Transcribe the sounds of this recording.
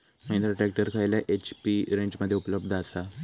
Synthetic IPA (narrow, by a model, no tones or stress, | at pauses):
məĩnt̪ɾəʈɾek̚ʈəɾkʰajljaʔet͡ɕpiɾẽɲt͡ɕməd̪ʱːjeupələbd̪ʱasa